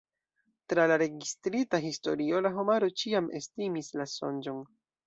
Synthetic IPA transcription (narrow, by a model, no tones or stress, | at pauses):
tɾalaɾe̞ɡistɾitaɦisto̞̰ɾio̞laɦo̞maɾo̞t͡ʃiamʔe̞̰stimislaso̞̰nd͡ʒo̞n